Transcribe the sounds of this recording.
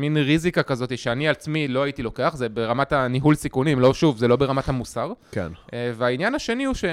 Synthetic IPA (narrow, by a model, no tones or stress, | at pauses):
minʁizikakazo̞t̪iʃeanialt͡smilo̞aitilo̞ke̞aχzebe̞ʁamataniɦulsikunimlo̞ʃuvzelo̞be̞ʁamathamusaʁkḛnveainjanaʃe̞niuʃe